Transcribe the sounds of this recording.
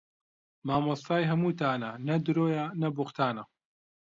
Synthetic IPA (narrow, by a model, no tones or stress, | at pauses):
maːmɐst̪aːjɦɐmuːt̪aːnɐnɐd̪ɨɾoːjanɐboχt̪ʰaːnɐ